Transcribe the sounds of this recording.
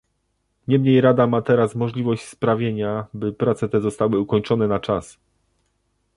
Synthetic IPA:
ɲɛmɲejɾad̪amat̪ɛɾasmɔʐlʲivɔɕt͡ɕspɾavʲjeɲabɘpɾat̪sɛt̪ɛzɔst̪awɘukɔɲt͡ʂɔnɛnat͡ʂas

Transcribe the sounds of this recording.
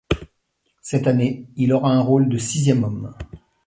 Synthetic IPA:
sɛt̪aneilɔʁaɛ̃ʁold̪əsizjɛmɔm

